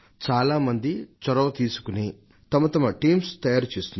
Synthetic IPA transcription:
t͡ʃaːlaːmɐnd̪it͡ʃɔɾɐʋɐt̪iːsu̥kuni | t̪ɐmɐt̪ɐmɐʈiːmst̪ɐjaːɾut͡ʃeːst̪un

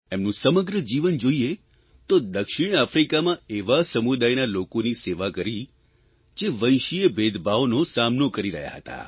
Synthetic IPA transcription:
emnũsəməɡɾəd͡ʒiʋənd͡ʒoie | t̪od̪əkʃiɳ̃afɾikamãeʋasəmud̪ajnalokoniseʋakəɾi | d͡ʒeʋə̃j̃ʃiebʱed̪bʱaʋonosamnokəɾiɾə̰ɦja̰ɦət̪a̰

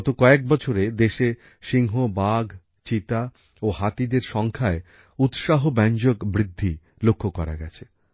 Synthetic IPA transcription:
t̪okɔek̚bɔt͡ɕʰoɾed̪eʃe | ʃiŋɦobaɡʱ | t͡ɕit̪a | ohat̪id̪eɾʃɔŋkʰae | ut̪ʃaɦobɛɲd͡ʑokbɾid̪ʱːi | lokʰːokɔɾa̰ɡɛt͡ɕʰe

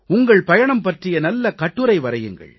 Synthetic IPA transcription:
ʊŋɡɐɭpɐjɐɳɐmpɐʈrɪjɐnɐlːɐkɐʈːɯɾɐɪʋɐɾɐjɯŋɡɐ̰ɭ

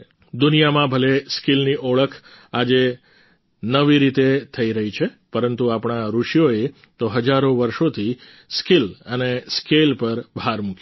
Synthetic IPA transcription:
d̪unijamãbʱəleskilniʔɔɭəkʰ | ad͡ʒe | nəʋiɾit̪et̪ʰəiɾəɦit͡ʃʰe | pəɾənt̪uapɳ̃aɾuʃjoe | t̪oɦəd͡ʒaɾoʋəɾʃot̪ʰi | skiləneskelpəɾbʱaɾmuk

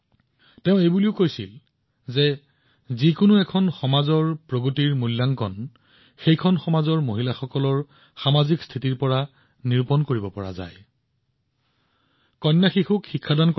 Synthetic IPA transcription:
tɛʊ̃ejbuliʊkojsḭl | zɛ | zikʊnʊɛkʰɔnxɔmazɔɹpɹoɡutiɹmulːaŋkɔ̰n | xejkʰɔnxɔmazɔɹmoɦilaxɔkɔlɔɹ | xamazikst̪ʰitiɹpɔɹa | niɹpɔnkoɹibɔpɔ̰ɹa̰za̰j | kɔnːaxixukxikʰːadankɔ

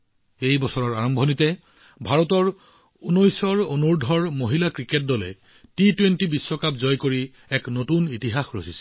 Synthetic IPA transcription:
ejbɔsɔɹɔɹaɹɔmbʱɔnitɛ | bʱaɹɔtɔɹ | unɔjsɔɹonuɹdʱɔɹmoɦilakɹiket̚dɔlɛ̰ | titwentibisːɔkapzɔjkoɹi | ɛknotunitiɦaxɹosisɛ̥

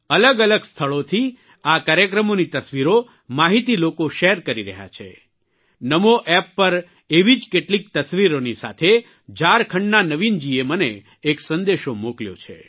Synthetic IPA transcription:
ələɡələɡst̪ʰəɭot̪ʰi | akaɾjəkɾəmonit̪əsʋiɾo | maɦit̪ilokoʃɛɦɾkəɾiɾə̰ɦja̰t͡ʃʰḛ | nəmoʔɛpːəɾ | eʋid͡ʒkeʈlik̚t̪əsʋiɾonisa̰t̪ʰe | d͡ʒaɾkʰə̃ɳɖnanəʋind͡ʒieməneː | ksənd̪eʃomokljo̰t͡ʃʰḛ

